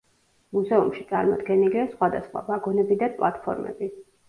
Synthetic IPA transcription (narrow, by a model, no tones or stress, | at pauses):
muzɛumʃit̪sʼaɾmɔ̰d̪ɡɛniliasχwad̪asχwa̰baɡɔnɛbid̪anpʼlˠa̰t̪pʰɔ̰ɾmɛ̰bi